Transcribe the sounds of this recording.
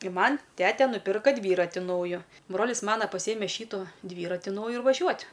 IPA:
ɪ ˈmɐnʲ ˈtʲæːtʲɛ nʊˈpʲɪrkoː ˈdʲʋʲiːrɐtʲɪ ˈnɐʊjoː ˈbroːlʲɪs ˈmɑːnɐ pɐˈsʲiːjɛmʲɛ ˈʃʲiːtʊ ˈdʲʋʲiːrɐtʲɪ ˈnɐʊjʊ ɪr ʋɐˈʒʲuɔtʲ

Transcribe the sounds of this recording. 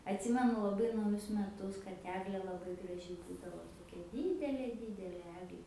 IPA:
ɐtʲˈsʲɪmʲɛnʊ lˠɐˈbɐɪ nɐʊˈjʊs mʲɛˈtʊs kɐt ˈæːɡlʲeː lˠɐˈbɐɪ ɡrɐˈʒʲɪ ˈbuːdɐʋoː toːˈkʲɛ ˈdʲiːdʲɛlʲeː ˈdʲiːdʲɛlʲeː ˈæːɡlʲeː

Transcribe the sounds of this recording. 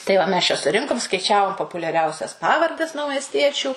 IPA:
tɐɪ ˈʋɐ mʲɛs t͡ʃʲɛ sʊˈrʲɪŋkʊm skɐɪˈt͡ʃʲæːʋoːm poːpʊlʲɛˈrʲɛʊsʲɛs ˈpɑːʋɐrʲdʲɛs nɐʊmʲɛsʲˈtʲiɛt͡ʃʲuː

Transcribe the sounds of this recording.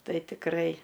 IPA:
ˈtɐɪ tʲɪkˈrɐɪ

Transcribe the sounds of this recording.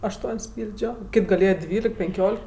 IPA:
ɐʃˈtuɔnʲsʲ ˈpʲiːlʲd͡ʒʲoː ˈkʲɪtʲ ɡɐˈlʲeːjɛ ˈdʲʋʲiːlʲɪk pʲɛŋʲˈkʲoːlʲɪk

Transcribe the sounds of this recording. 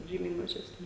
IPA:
ˈʒʲiːmʲɛɪ mɐʒʲɛsʲˈnʲɪ

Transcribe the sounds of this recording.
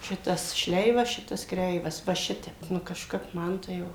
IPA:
ˈʃʲɪtɐs ˈʃʲlʲɛɪʋɐs ˈʃʲɪtɐs ˈkrʲɛɪʋɐs ʋɐ ˈʃʲɪtʲɛp ˈnʊ kɐʃˈkɐp ˈmɐn tɐɪ ˈjɛʊ

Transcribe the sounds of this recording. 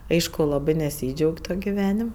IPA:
ˈɐɪʃkʊ ˈlˠɑːbɜ nʲɛˈsʲiːd͡ʒʲɛʊkʲ ˈtoːkʲ ɡʲɪˈʋʲæːnʲɪm

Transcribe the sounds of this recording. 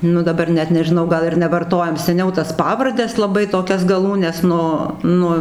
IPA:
ˈnʊ dɐˈbɐr ˈnʲɛt nʲɛʒʲɪˈnɐʊ ˈɡɐlˠ ɪr nʲɛʋɐrˈtoːjɛm sʲɛˈnʲɛʊ tɐs ˈpɑːʋɐrʲdʲɛs lˠɐˈbɐɪ toːˈkʲɛs ɡɐˈlˠuːnʲɛs ˈnʊ ˈnʊ

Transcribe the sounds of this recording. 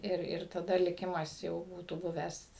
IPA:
ˈɪr ɪr tɐˈdɐ lʲɪˈkʲɪmɐs jɛʊ ˈbuːtuː ˈbʊʋʲæːs

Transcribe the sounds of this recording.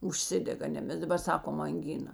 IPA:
ʊʃʲˈsʲɪdʲɛɡɐ ˈnʲɛ ˈmʲɛs dɐˈbɐr ˈsɑːkoːm ɐŋʲˈɡʲɪnɐ

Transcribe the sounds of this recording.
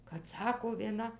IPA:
kɐt ˈsɑːkoː ʋʲiɛˈnɐ

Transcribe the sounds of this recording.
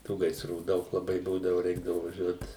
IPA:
ˈtuː ɡɐɪsˈruː ˈdɐʊk lˠɐˈbɐɪ ˈbuːdɐʋʊ ˈrʲɛɪɡdɐʋʊ ʋɐˈʒʲuɔt

